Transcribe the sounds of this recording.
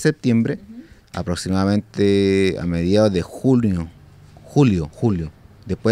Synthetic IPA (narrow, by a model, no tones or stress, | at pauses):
sep̚t̪jembɾe | a̰pɾoksimaðamẽnt̪ea̰meðjaðoðexuoxuljoxuljo | d̪epwe